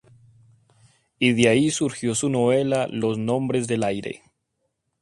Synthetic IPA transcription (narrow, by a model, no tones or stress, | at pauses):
iðeaisuɾxjo̞suno̞βe̞lalo̞znõ̞mbɾe̞zðe̞lajɾe̞̰